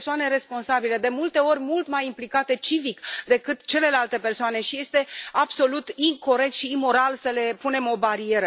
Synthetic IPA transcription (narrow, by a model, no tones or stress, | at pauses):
soane̞ɾe̞spo̞nsabile̞d̪e̞mult̪e̞o̞rʲmult̪majimplikat̪e̞t͡ʃivikd̪e̞kɨt̪t͡ʃe̞le̞lalt̪e̞pe̞rsoane̞ʃije̞st̪e̞abso̞lut̪iŋko̞ɾe̞k̚t̪ʃiːmo̞ɾalsəle̞pune̞mo̞baɾie̞ɾə